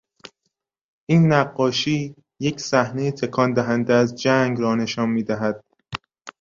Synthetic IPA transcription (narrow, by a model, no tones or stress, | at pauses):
ʔiːnːæɢːɒːʃiː | je̞cʰsæhne̞jit̪ʰe̞kʰɒːnd̪æɦænd̪eæzd͡ʒæŋɡɾɒːne̞ʃɒːnmiːd̪æɦæd̪̥̚